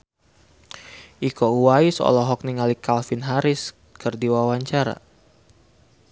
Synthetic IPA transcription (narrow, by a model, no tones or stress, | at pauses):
ʔikouwaisɔ̰lɔɦɔk̚niŋalikalfɪnɦaɾɪs | kɨrdiwawaɲt͡ʃaɾa̰